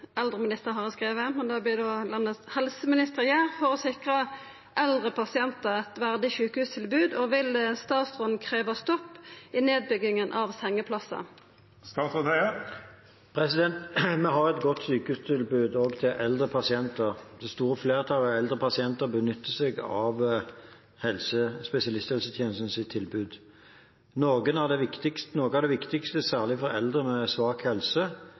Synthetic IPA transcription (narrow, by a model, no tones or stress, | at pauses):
ɛld̪ʁəmɪnɪst̪əʁɦɑʁɛskʁeːʋəmɛnd̪ɑːblɪd̪oːlɑnːəshɛlsəmɪnɪst̪əʁjæːʁfɔʁɔsɪkʁə | ʔɛld̪ʁəpʰɑsɪɛnt̪əʁɛt̪ʋæʁd̪ɪçʉːkəhʉːst̪ʰɪlbʉːd̪ɔʋɪlst̪ɑːt̪sʁʊnkʰʁeːʋəst̪ɔpːɪneːd̪̚bʏɡɪŋənʔɑʋsɛŋːəpʰlɑsə̰ | st̪ɑːsɔ | pʰʁɛsɪd̪ɛnt̪mɛɦɑʁɛt̪ɡɔt̪syːkəhʉst̪ʰɪlbʉːd̪oːɡt̪ʰɪʔɛld̪ʁəpʰɑsɪɛnt̪əʁd̪ɛst̪uːʁəfleːʁət̪ʰɑləɛld̪ʁəpʰɑsɪɛnt̪əʁbənʏt̪ːəsɛɡɑʋ | hɛlsəspɛsɪɑlɪst̪hɛlsət̪ʰjɛːnəsn̩sɪt̪ʰɪlbʉːd̪ | nɔːɡənæʁd̪ɛʋɪkt̪ɪkst̪noːɡəæd̪ɛʋɪkt̪ɪkst̪əsæːʁlɪfɔʁɛld̪ʁəmɛsʋɑːkhɛlsə